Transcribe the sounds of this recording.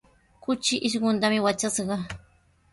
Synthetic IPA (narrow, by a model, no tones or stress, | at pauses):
kʊt͡ʃɪʔɪʃɢʊnt̪amɪwat͡ʃasɢɑ